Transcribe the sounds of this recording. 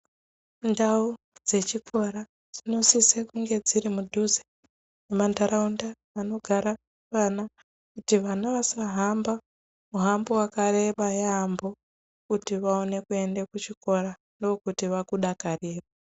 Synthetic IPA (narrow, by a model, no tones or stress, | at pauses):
ndau | d͡ze̞t͡ʃikʰo̞ɾa | d͡z̥ino̞sisekuŋɡe̞d͡ziɾimudʱuze̥ | nemandaɾaunda | ano̞ɡʱaɾa | ʋana | kutiʋanaʋasaɦamba | muɦambowakare̞ɓajambo | kutiʋaone̞kue̞ndekut͡ʃiko̞ɾa | ndokutiʋakuɗakareːβa